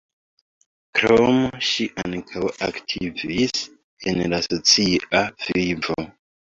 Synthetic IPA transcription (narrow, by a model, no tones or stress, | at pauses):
kɾomʃiʔankʰawa̰ktʰivis | enlasot͡siav̥ivo